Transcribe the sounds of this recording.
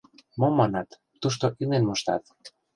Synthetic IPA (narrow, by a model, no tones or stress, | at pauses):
momːɑnɑt̪ːuʃ̬t̪oʔinenmoʃt̪ɑ̰t̪